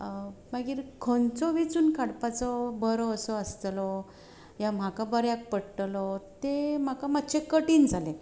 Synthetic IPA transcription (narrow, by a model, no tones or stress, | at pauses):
maɡiːɾkʰõnt͡sɔʋet͡suːnkʰaɽpat͡sɔbəɾɔəsɔəst̪lɔ | jam̤akabəɾjak̚pəɽʈ̪lɔt̪em̤akamat̪ːt͡ɕʰekəʈiːnd͡zʱalẽ